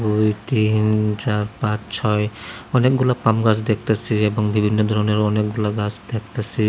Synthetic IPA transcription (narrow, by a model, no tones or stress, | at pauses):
dujtint͡ʃaɹpat͡ʃsʰɔjɔnɛk̚ɡulapamɡas̬dɛk̚tasiɛbɔŋbʱibʱinːɔdʱɔɹɔnɔɹɔnɛk̚ɡulaɡasdɛk̚tasi